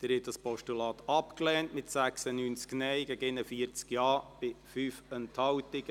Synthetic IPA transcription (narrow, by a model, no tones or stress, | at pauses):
d̪̥ɪɾhɪt̚d̥ɑspɔʃtulɑːt̪ɑpklɛːntmɪtsæksənyːnt͡sknɛɪjɡɛɡɪnəfiəɾt͡skjɑːb̥ɪfyːfɛnthɑwtɪɡ